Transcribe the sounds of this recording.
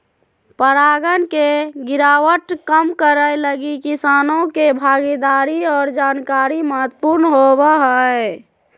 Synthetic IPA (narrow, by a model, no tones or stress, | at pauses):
pəɾaːɡənkeɡɪɾaːwəʈkəmkəɾəjləɡikisaːnõkebʱaːɡid̪aɾiɔːɾd͡ʒaːnkaːɾiməɦət̪puɾnɦobaɦəe